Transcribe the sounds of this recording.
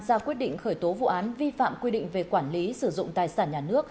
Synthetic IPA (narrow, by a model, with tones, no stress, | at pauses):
zaː˧kwi˦˥ət̚ɗḭ˧˨ŋ̟xəː˧˩jt̪o˨˦vṵ˧˨ʔaː˨˦nvi˧fa̰ː˧˨mkwi˧ɗḭ˧˨ŋ̟ve˨˩kwaː˧˩nli˨˦sɨ˧˩zʊ̰˧˨ŋ͡mt̪aː˨˩jsaː˧˩nɲaː˨˩nɨ˦˥ək̚